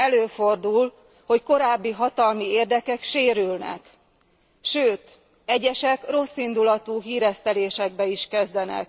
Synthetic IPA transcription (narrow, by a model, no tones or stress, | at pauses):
ɛløːfo̞rd̪ul | ho̞cko̞ɾaːbːiɦɒt̪ɒlmieːrd̪ɛkɛkʃeːɾylnɛ̰k | ʃøːt̪ | ɛɟɛʃɛkro̞sːind̪ulɒt̪uːɦiːɾɛst̪ɛleːʃɛɡ̚bɛiʃkɛzd̪ɛnɛ̰k̚